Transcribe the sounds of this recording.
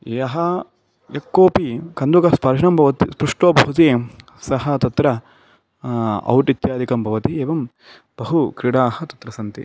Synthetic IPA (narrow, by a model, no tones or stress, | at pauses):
eːɐɦɐ | jɐkːoːpikɐnd̪ukɐspɐɾʃɐnɐmbʱɐʋɐt̪ispɾuʂʈoːbʱɐɦut̪i | sɐɦɐ̆t̪ɐt̪ɾɐ | ɐ̰wʈit̪jaːd̪ʱikɐmbʱɐʋɐt̪ieːʋɐm | b̥ɐɦukɾiɽaːhɐt̪ɐ̥t̪ɾɐsɐnt̪ḭ